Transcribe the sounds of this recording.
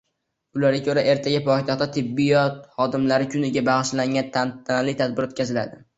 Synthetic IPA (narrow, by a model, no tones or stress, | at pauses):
ʊlaɾɡʲakʰoɾaʔe̞ɾt̪ʰaɡʲapʰɒjt̪ʰaχt̪ːat̪ʰɪbːijɒt̪̚hɒd̪ɪmlaɾɪkʲʰʊnɪɡʲabaʁɨʃlaŋʲant̪ʰat̪ʰːanalɪjt̪ʰad̪̚bɪɾot̪kʲʰazɪla̰d̪ɪ